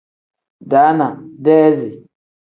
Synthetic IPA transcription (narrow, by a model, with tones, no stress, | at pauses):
da˨˦na˨dɛ˦zi˨